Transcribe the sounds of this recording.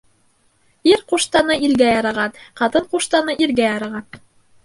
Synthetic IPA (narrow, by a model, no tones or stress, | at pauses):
iɾquʃt̪ɑnɤilɡæjɑɾɑʁɑnqɑt̪ɤɴquʃt̪ɑnɤʔiɾɡæjɑɾɑʁɑn